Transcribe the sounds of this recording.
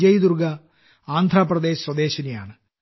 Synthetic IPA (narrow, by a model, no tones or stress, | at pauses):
d͡ʑɐjid̪urɡɐ | aːnd̪ʱraːprɐd̪e̞ːɕɐswɐd̪e̞ːɕɐneja̰ːɳɨ